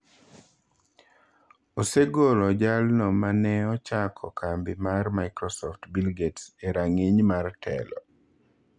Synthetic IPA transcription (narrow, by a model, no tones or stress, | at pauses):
oseɡolɔd͡ʒalnɔmanɛɔt͡ʃakʰɔkʰambɪmarmajkɾɔsɔftbilɡetseɾaŋiɲmartʰɛ̰lɔ̰